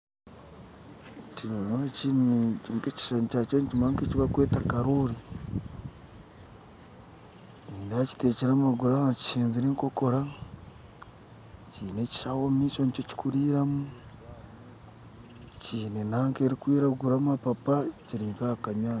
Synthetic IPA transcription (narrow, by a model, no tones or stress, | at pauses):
tiɾonocineŋɡeci̥ʃanicat͡ʃonicimaːŋkeciβakwe̞ːtakaɾoːɾi | indaci̥teciɾamaɡuɾaaci̥ʃeːnziɾeːŋko̞ko̞ɾa | ciːne̞ci̥ʃawomit͡ʃonicoci̥kuɾiːɾamu | t͡ʃiːnenaːŋke̞ɾikwiːɾaɡuɾamapapaciɾiːŋkakaɲaːa